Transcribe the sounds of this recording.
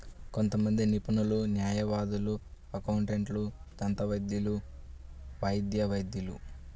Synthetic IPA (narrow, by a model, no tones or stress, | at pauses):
ko̞nt̪ɐmɐnd̪inipunulunjaːjɐʋaːd̪ulu | ɐkɐwuɳʈeɳʈlud͡ʒɐnt̪ɐʋɐjd̪julu | ʋɐjd̪jɐʋɐjd̪julṵ